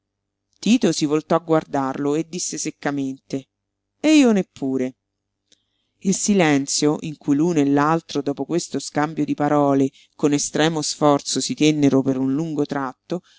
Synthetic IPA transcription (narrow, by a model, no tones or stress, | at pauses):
t̪iːt̪osivolt̪ɔaɡward̪arloed̪ːisːesekːament̪e | eiːonepʰːuːɾe | ilsilɛnt̪sjoʔiŋkujluːnoelːalt̪ɾod̪ɔːpokwest̪oskambjod̪ipaɾɔːle | konest̪ɾɛːmosfɔrt̪sosit̪enːeɾopeɾunluŋɡot̪ɾat̪ːo